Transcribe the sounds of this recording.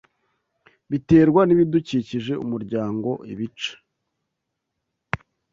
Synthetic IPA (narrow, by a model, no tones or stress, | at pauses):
βite̞ːɾɡwaniβiduciːciʒe̞ṵmuɾɟaːŋɡo̞̰ʔḭβit͡ʃḁ